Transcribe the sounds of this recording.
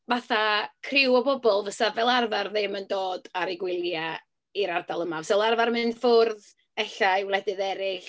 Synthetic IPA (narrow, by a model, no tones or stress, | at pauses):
vaθakʰrɪwɔbɔbɔlˠvəsavɛlˠarvarðɪməndoːdaɾɪɡwɪlˠja | iɾardalˠəmavəsɛlˠarvarmɨnfʊrð | ɛɬajwlˠɛdɨðɛɾɪɬ